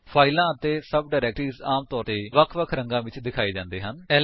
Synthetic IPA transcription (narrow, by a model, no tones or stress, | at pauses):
pʰaːilãːət̪eːsəb̚ɖaːɾɛːkʈɾiːzaːmt̪ɔːɾt̪eːʋəkʰʋəkʰɾəŋɡãːʋɪt͡ʃd̪ɪkʰaːiːd͡ʒãːnd̪eːɦənɛ